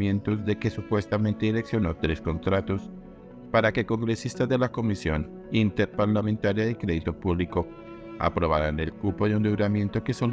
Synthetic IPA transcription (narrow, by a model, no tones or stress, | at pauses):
jent̪ozðe̞ke̞supwe̞st̪ament̪eileksjo̞no̞t̪ɾe̞sko̞nt̪ɾat̪o̞s | paɾakeko̞ŋɡɾe̞sist̪aðe̞lako̞misjo̞̰n | int̪e̞ɾpaɾlamẽnt̪aɾjaðekɾe̞ðit̪o̞puβliko̞ | a̰pɾo̞β̞aɾane̞lkupoeund̪iwɾamje̞nt̪o̞ke̞sol